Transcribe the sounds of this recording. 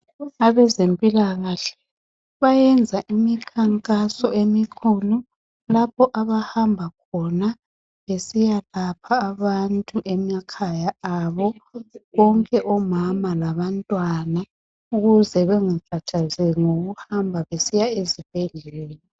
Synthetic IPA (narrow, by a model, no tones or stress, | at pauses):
aβɛzempʼilaɣaːɬɛ̥ | βajɛnd͡zʱaʔimikʰaŋkʼasɔʔemikʰulu | lapʰɔʔaβahambʱakʰɔna | βesijalapʰaːβantʼuʔɛmakʰajaaβɔɣɔŋkʼɛʔɔmamalaβantʼwana | uɣuzɛβɛŋakʰatʰazɛŋoɣuhambʱaβesijaezipʼɛɮɛːli